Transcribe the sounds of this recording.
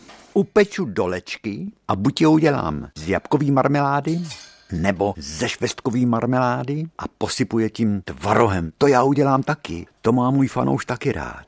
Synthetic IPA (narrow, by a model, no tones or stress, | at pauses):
ʔupɛt͡ʃudo̞lɛt͡ʃkɪʔabucjɛuɟɛla̰ːmzjapkoviːmaɾmɛlaːdɪ | nɛbo̞zɛʃvɛst̪̚koviːmaɾmɛlaːdɪʔa̰po̞sɪpujɛcimt̪vaɾoɦɛmt̪ojaːuɟɛlaːmt̪akɪ̰t̪o̞maːmuːjfa̰nʔo̰wʃt̪akɪɾa̰ːt̪